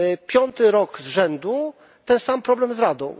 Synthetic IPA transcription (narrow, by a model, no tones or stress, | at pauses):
pʲjɔnt̪ɘɾɔɡzʐɛnd̪u | t̪ɛnsampɾɔblɛmzɾad̪ɔ̰̃w̃